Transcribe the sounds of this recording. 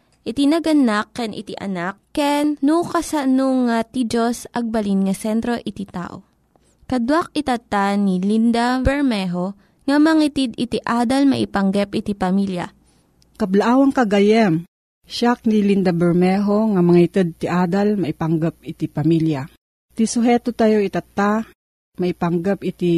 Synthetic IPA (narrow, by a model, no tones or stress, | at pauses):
ʔɪt̪inɐɡɐnakːɛnʔɪ̰t̪ḭʔɐ̰nakːɛnnukɐsɐnoŋːat̪id͡ʒosʔɐɡ̚bɐlinŋɐsɛnt̪ɾo̞ʔɪt̪it̪a̰ːʔo̰ | kɐd̪wak̚ɪt̪ɐt̪anilind̪abɛɹmɛɦo | ŋɐmɐŋit̪id̪ɪt̪iʔaːd̪ɐlmɐʔɪpɐŋɡɛpʔɪt̪ipɐmiljɐ̰ | kɐblaʔaːwɐŋkɐɡɐjɛm | ʃak̚nilind̪abɛɹmɛɦoŋamɐŋit̪ɛd̪̚t̪iʔaːd̪almɐʔipaŋɡap̚ɪt̪ipɐmilja | t̪isʊɦɛt̪ot̪ajoʔit̪at̪ːa | mɐʔɪpaŋɡɛpɪt̪i